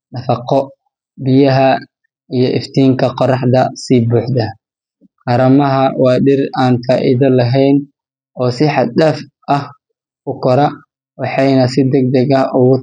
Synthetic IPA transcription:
nɐfɑqɔ | bɪjɐɦɐ | ijɔʔɪft̪ʰiːŋkʰɐqɔɾɑħd̪ɐsiːbuːħd̪ɐ | qɑɾɐmɐɦɐwɑːɖɪraːnfaːʔɪðɐlɐɦɛjn | ɔːsɪħɑd̪ɗɛːf | ʔɐh | ʊkʰɔɾɐ | wɑħɑjnɐsɪd̪ɛɡ̚d̪ɐɣɐʔʊɣʊ

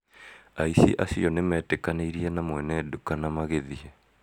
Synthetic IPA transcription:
aisḭʔa̰siɔnemɛːtekaneiɾiɛnamwɛnɛdukanamaɣeðiɛ

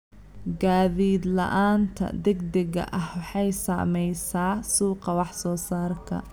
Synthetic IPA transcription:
ɡaːðiːd̪lɐ̰ʔaːnt̪ʰɐ̰d̪ɛɡd̪ɛɣɐ̰ʔɐhwɑħɑjsa̰ːmɛjsaːsuːqɑwɑħsɔːsaːrkʰɐ̰

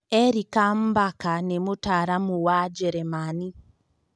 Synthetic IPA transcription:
eɾikam̩bakanemutaɾamuwad͡ʒeɾemani

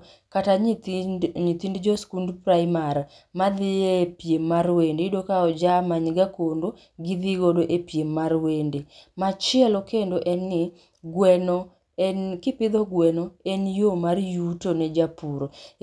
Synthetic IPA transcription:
kata | ɲit̪indd͡ʒɔskundpɾaɪmaɾ | mad̪ɪepjemːarwendedokaɔd͡ʒamaɲɡakondo | ɡɪd̪ɪɡodoʔepjemːarwendemat͡ʃɪɛlɔkendoʔɛnːɪ | ɡwɛno | kɪpɪd̪ɔɡwɛnoenjomarjutonɛd͡ʒapuɾo

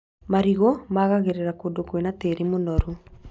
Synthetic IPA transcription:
maɾiɣomaɣaɣeɾeɾakodokwenateɾimonɔɾu

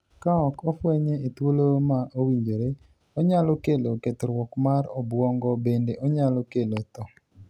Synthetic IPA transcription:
kaɔkɔfwɛɲeit̪wolomaʔowiɲd͡ʒoɾe | ɔɲalɔkeleoket̪oɾwɔkmaɾɔbwɔŋɡɔbendeʔɔɲalɔkelet̪ɔ

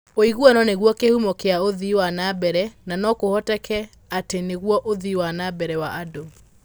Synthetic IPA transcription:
oiɣuɔnɔneɣwɔkehumɔkeaoðiwanabɛɾɛnanɔkohɔtɛkʰɛ | ateneɣwɔʔoðiwanabɛɾɛwaʔado

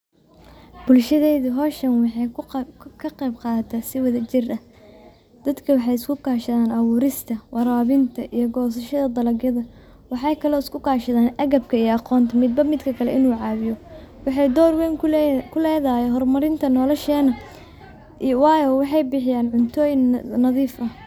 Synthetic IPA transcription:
b̥ʊlʃɐðɛjðɐɦɔːʃɐnwɑħɑjkʰɐqɛjbqɑːt̪ʰɐsɪwɐðɐt͡ʃɪrɐ | d̪̥ɐd̪kʰɐwɑħɑjɪskʰʊkʰaːʃɐðaːnʔɐwʊːɾɪst̪ʰɐwʔɑɾaːβɪnt̪ʰɐʔijɞɡɔːs̬ɐʃɐðɐd̪ɐlɐɡjɐðɐ | wɑħɑjkʰɐlɔːɪskʰʊkʰaːʃɐðaːnɐɣɐb̚kʰɐijɔɑqɔːnt̪ʰɐmɪd̪̚bɐmɪd̪kʰɐkʰɐlɛ̰ʔɪnuːʕɑːβɪjɔwɑħɑjd̪ɔːrwɛːŋkʰʊlɛːðaːjɛɦɔrmɐɾɪnt̪ʰɐnɔlɔʃɛːnɐ | wɑːjɔwɑħɑjbɪħɪjaːnʕʊnt̪ʰɔːjɪŋnɐðiːfɐ

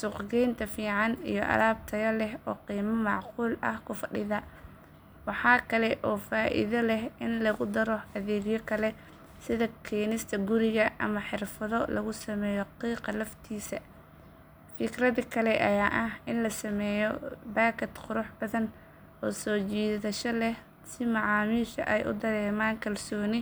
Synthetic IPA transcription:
sʊqɡɛjnt̪ʰɐfiːʕɑnḭjɔʔɐ̰laːb̚t̪ʰɐɣɐlɛɦɔːqiːmɐmɑʕquːlɐ̰hkʰʊfɐɖɪðɐ | wɑħɑːkʰɐlɛʔɔːfaːʔɪ̰ðɐlɛhɪnlɐɣʊd̪ɐɾɔɐðɛːɣjɔkʰɐlɛ | sɪðɐkʰɛːnɪst̪ʰɐɡʊɾɪɣɐʔɐ̰mɐħɪrfɐðɔlɐɣʊsɐmɛːjɔqiːqɐlɐft̪ʰiːsɐ | fɪkrɐðikʰɐlɛʔɐjaːʔɐɦɪnlɐsɐmɛːjɔbaːkʰɐt̪qʊɾʊħbɐðɐn | ʔɔːsɔːt͡ʃiːðɐʃɔlɛh | sɪmɑʕɑːmiːʃɐ̰ʔɛjʔʊ̰d̪ɐɾɛːmaːŋkʰɐlsɔːnɪ

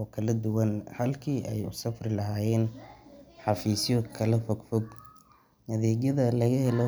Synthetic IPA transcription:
ɔːkʰɐlɐd̪ʊwɐnhɐlkʰiːʔɛ̰jʊsɐfrɪlɐɦaːjɛːn | ħɑfiːsjɔkʰɐlɐfɔɡfɔɡ | nɐðiːɡjɐðɐlɐɣɐhɛlɔ

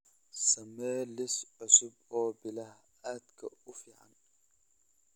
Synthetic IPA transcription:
sɐmɛːlɪsʕʊsʊb̚ɔːbɪlɐh | aːd̪kʰɐʊfɪʕa̰n

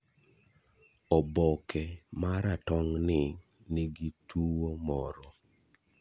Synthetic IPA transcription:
ɔbɔkʰɛmaɾatɔŋnɪ | niɡitʰuwomɔɾɔ

